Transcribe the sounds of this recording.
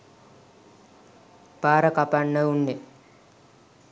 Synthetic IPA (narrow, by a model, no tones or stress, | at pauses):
b̥aːɾəkapanːəunːe